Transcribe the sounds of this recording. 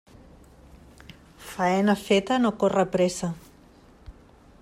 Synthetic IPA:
faenafet̪anokorapɾesa

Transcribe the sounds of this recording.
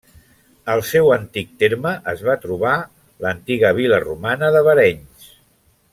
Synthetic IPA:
əlˠsewənt̪ik̚t̪eɾməʔəzβ̞at̪ɾuβ̞a | lənt̪iɣəβ̞ilərumanəðəβəɾɛɲs

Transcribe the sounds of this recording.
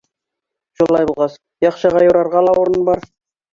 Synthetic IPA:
ʃulˠːɑjbulˠʁɑs | jɑqʃɤʁɑjuɾɑɾʁɑlˠɑuɾɤnbɑɾ

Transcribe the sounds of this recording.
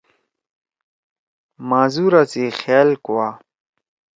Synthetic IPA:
maːzuɾat͡sixjaːlkuwa

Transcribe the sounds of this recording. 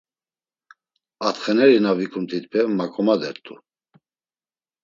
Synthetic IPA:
at̪χɛnɛɾinavikʰʼumt̪ʰit̪bʰɛmakʼɔmad̪ɛɾt̪ʼṵ

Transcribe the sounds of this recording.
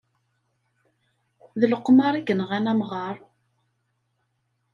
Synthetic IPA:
ðələqːmɑɾˤiɡənəʁænæmʁɑɾˤ

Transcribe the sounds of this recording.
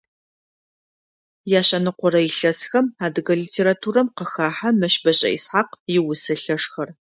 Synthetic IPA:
jaːɕʼɐnɨqʷɔɾɐjɪɬɐsxɐmaːdɨɣɐliːtʰeːɾatʰuːɾɐmqəxaːħamɐʃbɐɕʼɐ̰ḭsħaqjɪwʊsɐɬɐʂxɐr

